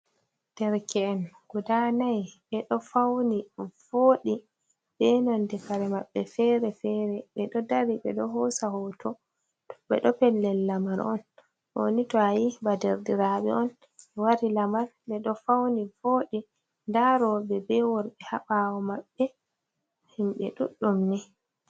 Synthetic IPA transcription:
d̥ɛɾkʰɛːnɡ̥udanajɓɛɗɔfawniv̥oːɗi | bɛnɔndɛfaɾɛmaɓːɛfɛɾɛfɛɾɛɓɛɗɔdaɾiɓɛ̰ɗɔɦɔsahɔtɔ | ɓɛ̰ɗɔpɛlːɛlːamaɾɔ̰n | ʔo̰nitɔajibadɛɾdiɾaɓɛ̰ɔn | ɛwaɾilamaɾɓɛɗɔfawnifoːɗi | ndaɾɔbɛbɛwɔɾɓɛhaɓawɔmaɓːɛ | himɓɛ̰ɗuɗːumnɛ

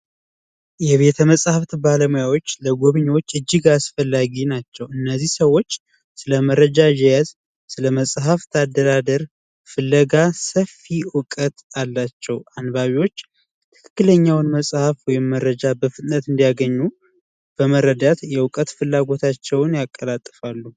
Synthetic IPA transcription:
jɛβe̞t̪ʰəməsʼhaft̪baləmujawo̞t͡ʃːləɡoβɨɲwo̞t͡ʃːɨd͡ʒːɪɡasfəlːaɡinat͡ʃːɛwɨnːəzːihsəwːo̞t͡ʃː | sɨləməɾəd͡ʒaʒɛjaz | sɨləməsʼɦaft̪ʰad̪əɾad̪əɾ | fɨlːəɡasəfiwʊkʼət̪alːat͡ʃːɛwanβaβiwo̞t͡ʃː | t̪ʰɨ̥kʰɨ̥kːɨləɲːawnməsʼhafwɔjɪmːəɾːəd͡ʒabəfɨt̪ʼnət̪ɨnd̪ijaɡəɲːu | b̥əməɾəd̪at̪jɛwʊkʼət̪fɨlːaɡo̞t̪ʰat͡ʃːɛwnjakʼːəlat̪ʼːɨfalːu

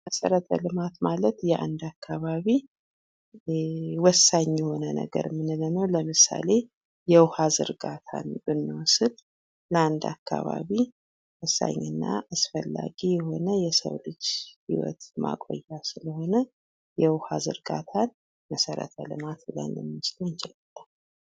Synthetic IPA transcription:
məsəɾət̪ʰəlɨmat̪malət̪jɛʔand̪akʰːaβaβi | wɔsːaɲːjɛho̞nənə̰ɡə̰ɾmɨnɨlɨnəwləmɨsale̞ | jɛwhazɨ̰ɾɡat̪ʰanbɨnːɨwsɨl | ləand̪akʰːaβaβi | wɔsːa̰ɲːɨnːaasfəlːaɡijɛho̞nəjɛsə̰wlɨd͡ʒhiwɔ̰t̪ma̰kʼo̰jːasɨləho̞nə | jɛwhazɨ̰ɾɡat̪ʰan | məsəɾə̰t̪ʰəlɨ̰mat̪bɨlə̰nlɨmːɨt͡ʃlont͡ʃɪlalːal

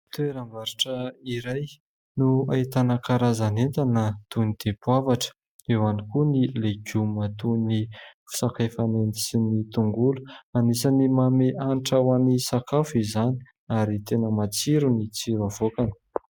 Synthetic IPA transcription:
t̪ueɾamaɾʈ͡ʂəiɾaj | nuait̪anəkaɾazanent̪anət̪unid̪̥epuavaʈ͡ʂə̥ | ewanikunileɡumat̪unifu̥sakafanend̪isinit̪uŋɡulu̥anisanimameʔaniʈ͡ʂawanisakafizani̥ | aɾit̪enəmat͡siɾunit͡siɾavokanə̥

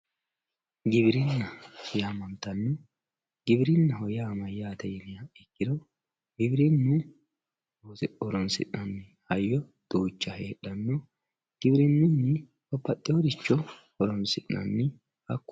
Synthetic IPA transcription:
ɡɪbɪɾɪnːɐsɔjamɐnt̪ːɐnːɔ | ɡ̥ɪbɪɾɪnːɐɦɔjaːmɐjaːt̪ɐjɛnɪjɐɛkːɪd̪ɔ | ɡɪbɪɾɪnːʊ | ɔɾɔnsɪ̰ʔnɐnːɪhɐjːɔd̪̥uːt͡ʃːɐheːᶑːɐnːɔ | ɡ̥ɪbɪɾɪnːʊnːɪ | kɔpːɐt̪ʼːɪɔd̪ɪt͡ʃːɔ | ɔɾɔnsɪʔnɐ̰nːɪ | hɐkːʊ̥

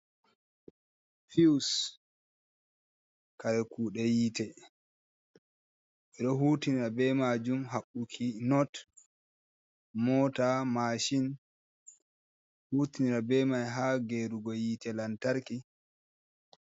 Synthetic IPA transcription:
fis | kaɾɛkuːɗɛjitɛ | ɓɛɗɔɦuːtiniɾabɛmad͡ʒumɦaɓːukʰinɔt | mɔtamaʃin | huːtiniɾabɛmajɦaːɡeɾuɡɔjiːtɛlantaɾki

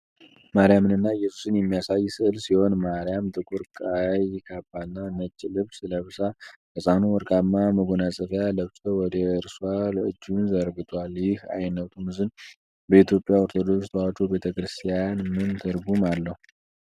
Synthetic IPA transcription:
maɾijamɨnɨnːajːɛsu̥sɨnjɛmːijasajːsɨɨlsiho̞nmaɾijamt̪ʰʼɨkʼuɾkʼajkʰabalnanət͡ʃʼːilɨβsɨləβsakʰəsʼanuwɔɾkʼamːaməɡonasʼəfjaləβsʼəwɔd̪əɨɾswalɨ̰d͡ʒːunzəɾɡɨt̪ʰʼwaljɪha̰jnːət̪ʼumɨzɨn | bəit̪ʰjo̞pʼjaoɾt̪ʰod̪o̞βst̪ʰwat͡ʃːube̞t̪ʰəkɾɨst̪ʰijanmɨnt̪ʰɨɾɡumalːəhu

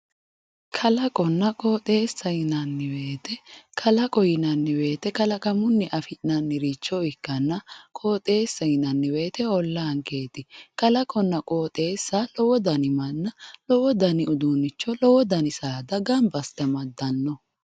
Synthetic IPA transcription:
kʰɐlɐkʼɔnːɐkʼoːt̪ʼe̞ːsːɐjɪnɐnːɪwe̞ːt̪ɛkʰɐlɐkʼɔjɪnɐnːɪwe̞ːt̪ɛkɐlɐkɐmʊnːɪʔɐfɪnɐnːɪɾiːt͡ʃːɔɪkːɐnːɐkʼoːt̪ʼe̞ːsːɐjɪnɐnːɪwe̞ːt̪ɛɔlːɐɐŋke̞ːt̪ɪkɐlɐkʼɔnːɐkʼoːt̪ʼe̞ːsːalɔwɔd̪ɐnɪmɐnːɐlɔwɔd̪ɐnɪʊd̪unːɪt͡ʃːɔlɔwɔd̪ɐnɪsaːd̪ɐɡɐmbɐst̪ɛmɐd̪ːɐnːɔ

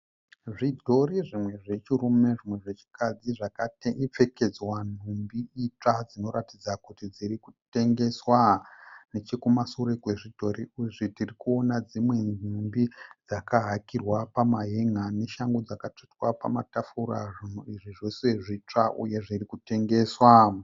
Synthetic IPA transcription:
ʐidʱo̞ɾiʐimwe̞ʐe̞t͡ʃiɾume̞ʐimwe̞ʐet͡ʃi̥kad͡ziʐakateip͡fe̞ke̞d͡zwan̤umbiit͡ʂad͡zino̞ɾatid͡zakutid͡ziɾikute̞ŋɡe̞swanet͡ʃekumasuɾekwe̞ʐidʱo̞ɾiuʐitirikuo̞nad͡zimwe̞numbid͡zakaɦakirwapamaɦeŋane̞ʃaŋɡod͡zakat͡ʂitwapa̰matafuɾaʐin̤uiʐiʐose̞ʐit͡ʂaʔṵje̞ʐirikute̞ŋɡe̞ːswa

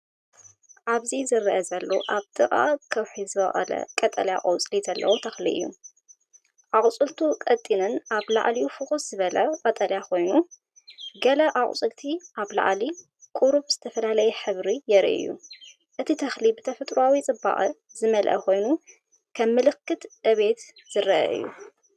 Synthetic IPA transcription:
ʔaβzizɨɾʔɐzɐlːoʔaβt̪ʰʼɨʔʼa̰kʰɐwħizɨβɐχʼɐ̰lɐ̰kʼɐt̪ʼɐlja̰ʔʼɐwt͡sʼlizɐlːɐ̰wot̪ʰɐxlḭʔɨ̰jːṵ | ʔaχʼt͡sʼɨlt̪ʰukʼɐt̪ʼːinɨnʔaβla̰ʕliufɨxʼuszɨβɐlɐkʼɐt̪ʼɐljakʰo̞jnu | ɡɐlɐʔaχʼt͡sʼɨlt̪ʰiʔaβla̰ʕli | kʼuɾuβz̥ɨt̪ʰɐfɐlalɐjɛħɨβɾijɛɾʔɨ̰jːṵ | ʔɨt̪ʰit̪ʰɐxlibɨt̪ʰɐfɐt̪ʼɾuawit͡sʼɨba̰ʔʼɨzɨmɐlʔɐ̰kʰo̞jnu | kʰɐmːɨlɨkːɨt̪ʔɨβe̞t̪ | z̥ɨɾɐʔɐ̰ʔɨ̰jːṵ

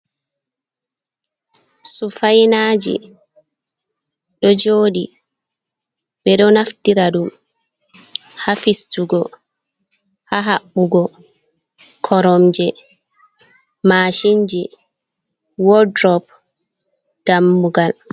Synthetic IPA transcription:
sufajnaːd͡ʒḭ | ɗɔd͡ʒoːɗḭ | ɓɛɗɔnaftiɾaɗum | hafistuɡɔ | haɦaɓːuɡɔ | kʰɔɾɔmd͡ʒɛ | maːʃind͡ʒɛ | wɔdɾɔp̚ | d̥amːuɡal

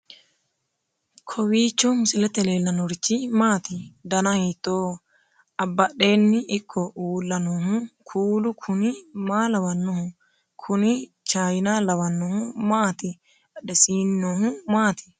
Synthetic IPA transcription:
kʰɔwiːt͡ʃːɔmʊsɪlɛt̪ɛleːlːɐnɔɾɪt͡ʃːɪmaːt̪ɪd̪ɐnɐhiːt̪ːoː | ɐbːɐɗe̞ːnːɪʔɪkʰːɔʔuːlːɐnoːɦʊkʰuːlʊkʰʊnɪmaːlɐwɐnːɔhʊ | kʰʊnɪ | t͡ʃaːjɪnalɐwɐnːɔhʊmaːt̪ɪ | ɐᶑɛsiːnːoːhʊmaːt̪ɪ̥

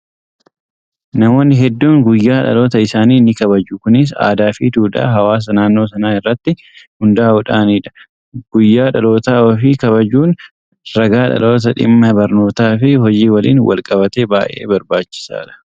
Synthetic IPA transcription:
nɐmo̞ːnːɪɦɛd̪ːuːŋɡʊjːaːᶑɐ̰lo̞ːt̪ɐɪsaːniːnɪkɐbɐd͡ʒʊkʊnɪs̬a̰ːd̪aːfiːt̪uːᶑ̪a̰ːɦɐwaːs̬ɐnaːnːo̞ːsɐnaːɪrːɐt̪ːɪ | hʊnd̪ɐaʊᶑaːniːᶑɐ̥ | ɡ̥ʊjːaːᶑɐlo̞ːt̪aːɔfiːkɐβɐd͡ʒuːn | ɾɐɡaːᶑɐ̰lo̞ːt̪ɐᶑɪ̰mːɐbɐɾno̞ːt̪aːfɪɦɔd͡ʒiːwɐlḭːnwɐ̰lkʼɐbɐt̪e̞ːbaːʔḛːbɐɾbaːt͡ʃːɪ̥sa̰ːᶑɐ̥

